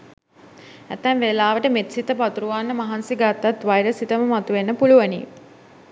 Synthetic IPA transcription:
æt̪ːɛnʋelaːʋəʈəmet̪sit̪əpat̪uɾuʋaːnːəmaɦansiɡat̪ːat̪ʋajɾəsit̪əməmat̪uʋenːəpuluʋanḭ

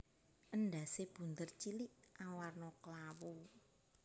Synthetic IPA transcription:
ʔənɖa̤seb̥ṳnt̪ərt͡ʃiliʔʔawarnɔkəlawo

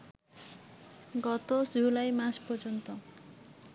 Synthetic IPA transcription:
ɡɔt̪osulajmaspɔrd͡ʒɔnt̪ɔ

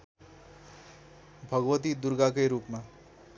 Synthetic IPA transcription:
bʱʌɡwʌt̪id̪uɾɡakʌjɾupma

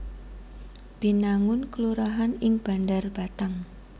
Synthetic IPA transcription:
b̥i̤naŋʊnkəluɾaɦanɪŋb̥a̤ndarb̥a̤t̪aŋ

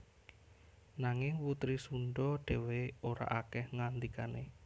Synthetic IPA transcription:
naŋɪŋput̪ɾisunɖɔɖ̥e̤weoɾa̰ʔakɛhŋand̪ikanḛ

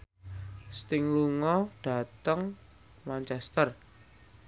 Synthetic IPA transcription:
st̪ɪŋluŋɔɖ̥a̤t̪əŋ | mant͡ʃɛst̪ər

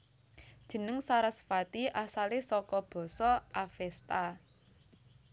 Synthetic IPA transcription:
d̥ʒ̥ə̤nəŋsaɾasfat̪iʔasalesɔkɔb̥ɔ̤sɔʔafɛst̪a

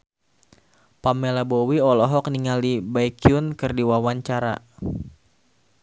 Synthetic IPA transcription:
pamːɛlabowiɔlɔɦɔk̚niŋalibajkiunkɨrdiwawaɲt͡ʃaɾa̰

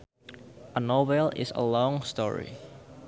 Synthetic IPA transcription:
ʔənobɛlɪ̰sə̰lɔ̃ŋstɔ̰ɹḭ

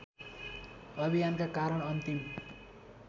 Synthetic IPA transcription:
ʌbʱijankakaɾʌɽ̃ʌnt̪im

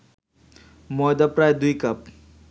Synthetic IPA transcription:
mɔd̪apɾajd̪uikɐp̚

